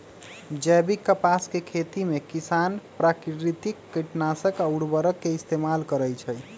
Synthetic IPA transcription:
d͡ʒɛbikːəpaskekʰet̪imekisanpɾakɾit̪ikːiʈnasəkauɽbəɾəkːeist̪emalkəɾəjt͡ʃʰəj

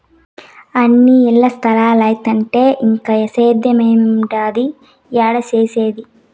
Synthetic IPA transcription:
ɐnːiɛlːɐst̪ʰɐlaːlɐjt̪ɐɳʈe̞ːʔiŋkɐjɐseːd̪jɐmeːmmɖaːd̪i | jaːɽɐt͡ʃeːseːd̪i

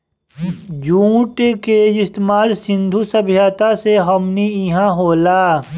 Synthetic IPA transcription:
d͡ʒũːʈkeɪst̪maːlsɪ̃nd̪ʱusɐbʱijaːt̪aseɦɐmniiɦãɦoːlaː

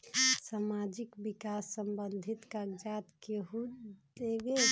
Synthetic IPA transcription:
samad͡ʒikbikasːəmbənd̪ʱit̪kaɡd͡ʒat̪keɦud̪ebe

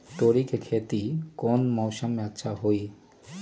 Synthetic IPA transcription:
t̪oɾikʰekʰet̪ikɔnmɔwʃamatːʃʰaɦoj

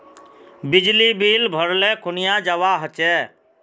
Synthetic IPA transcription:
bɪd͡ʒlibilbʱəɾlɛkʰʊnijad͡ʒəwaɦət͡ʃɛ

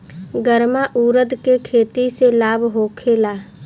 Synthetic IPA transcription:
ɡəɾmaʔuːɾəd̪kekʰeːt̪iselaːbɦoːkʰeːlaː

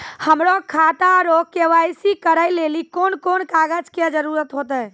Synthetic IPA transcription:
həmɾokʰat̪aɾokeʋajsikəɾəjlelikonkonkaɡəd͡ʒked͡ʒəɾuɾət̪ɦot̪ə

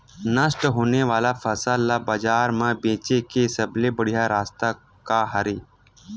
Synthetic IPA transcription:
nəsʈɦoːneʋaːlafʰəsəlːaːbəd͡ʒaːɾmãbẽːt͡ʃekesəblebəɽijaɾaːst̪a | kaɦəɾeː

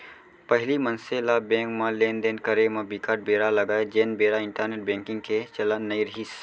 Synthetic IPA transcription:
pɐɦɪlimɐnselabẽːŋkmãleːnd̪eːnkəɾemãbikaːɾʈ̚beːɾalɐɡaːed͡ʒeːnbeːɾaɪɳʈəɾneːʈ̚bẽːŋkɪ̃ŋɡ̚kʰet͡ʃɐlanɐiɾɐɦis

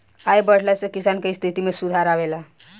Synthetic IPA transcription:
ajbəɽ̤lɛsẽkisankest̪ʰit̪imesud̪ʱaɾaʋela

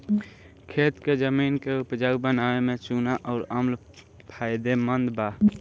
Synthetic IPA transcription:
kʰeːt̪ked͡ʒəminkeupd͡ʒaɡbənaemẽt͡ʃunaʔɔːɾəml | pʰaɪd̪emənd̪ba

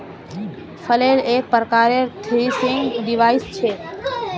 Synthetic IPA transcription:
fʰəleleːk̚pəɾkaːɾet̪ʰɾisɪŋɡɖɪʋaːist͡ʃʰeː

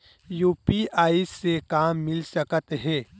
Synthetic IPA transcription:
juːpiaːisːekaːmːɪlsəkət̪ɦɛː

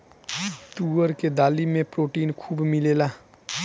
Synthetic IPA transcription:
t̪uːəɾked̪aːlimẽpɾoːʈiːnkʰuːbmɪleːlaː

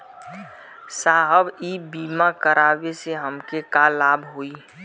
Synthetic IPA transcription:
saːɦəbibiːmakəɾʔaːbeseɦəmkekalaːbʱɦoːiː

